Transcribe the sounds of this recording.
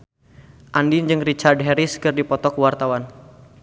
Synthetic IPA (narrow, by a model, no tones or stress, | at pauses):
ʔandiɲd͡ʒɨŋrit͡ʃardɦɛɾiskɨrdipɔt̪ɔkwart̪awan